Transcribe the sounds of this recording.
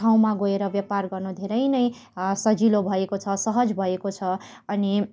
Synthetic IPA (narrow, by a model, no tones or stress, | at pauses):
aw̃maɡoeɾʌbjʌparɡʌrnud̪ʱeɾʌjnʌjsʌd͡zilobʱʌekot͡sʰʌsʌɦʌd͡zbʱʌekot͡sʰʌ | ʌni